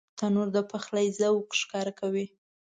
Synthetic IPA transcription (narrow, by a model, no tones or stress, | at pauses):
t̪anoɾd̪əpaxlajzawkʃkɑɾakawi